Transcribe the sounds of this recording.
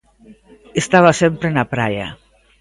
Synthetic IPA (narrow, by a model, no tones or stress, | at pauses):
est̪aβasempɾenapɾaja̰